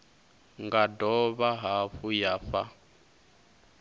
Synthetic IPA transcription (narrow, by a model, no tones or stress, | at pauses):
ŋɡadɔβaɦaɸujafa